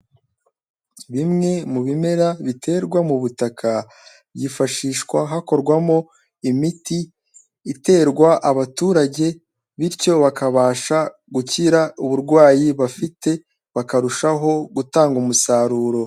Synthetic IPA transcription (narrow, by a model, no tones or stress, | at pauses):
βimŋe̞muβime̞ɾaβitʰe̞ːɾɡwamuβutakʰa | bjifaʃiːʃkwaɦako̞ɾɡwamo̞ | imitiː | te̞ːɾɡwaʔaβatuːɾaɟe̞ | βiɾco̞βakʰaβaːʃa | ɡuciɾauβuɾɡwaːjiβafite̞ | βakaɾuʃaɦo̞ɡutaːŋɡumusaːɾuːɾo̞